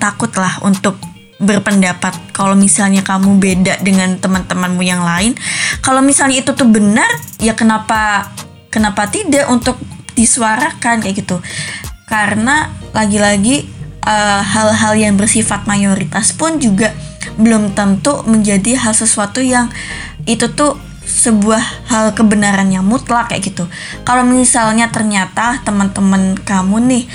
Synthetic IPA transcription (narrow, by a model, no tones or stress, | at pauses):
t̪akʊt̪lahunt̪ʊk̚ | bərpəndapat̪̚kalowmisalɲakamubedaʔdəŋant̪əmənt̪əmənmujaŋlaɪnkalomisalɲait̪ut̪ʊhbənərjakənapa | kənapat̪idaʔunt̪ʊk̚disuaɾakankaʔɡit̪ukaɾənalaɡilaɡiʔəɦalɦaljaŋbərsifat̪̚majoɾit̪aspʊnd͡ʒuɡabəlʊmt̪ənt̪uməɲd͡ʒadiɦalsəsuat̪ujaŋʔit̪ut̪ʊ | səbuahhalkəbənaɾanjaŋmut̪lakja̰ʔɡit̪u | kalamisalɲat̪ərɲat̪aht̪əmənt̪əmənkamunɪh